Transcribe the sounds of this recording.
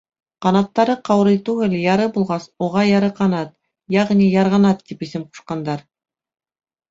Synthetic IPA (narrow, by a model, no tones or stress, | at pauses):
qɑnɑt̪ːɑɾɤqɑwɾɤjt̪ʉɡɘljɑɾɤbulˠʁɑsuʁɑjɑɾɤqɑnɑt̪ | jɑʁnijɑɾʁɑnɑt̪ːipisɘmqu̥ʃqɑnd̪ɑɾ